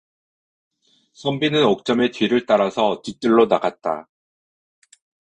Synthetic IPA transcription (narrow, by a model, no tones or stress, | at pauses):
sʰʌmbinɯnok̚t͡ɕ͈ʌme̞tɥiɾɯɭt͈aɾasʰʌt͡ɕik̚t͈ɯɭːonaɡat̚t͈a̰